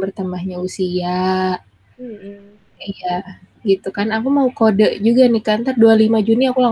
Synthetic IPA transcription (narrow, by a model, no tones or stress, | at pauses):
bərt̪əmahɲausia | ija | ɡit̪ukanakumaukodəʔd͡ʒuɡanɪhkant̪ardualimad͡ʒuniakula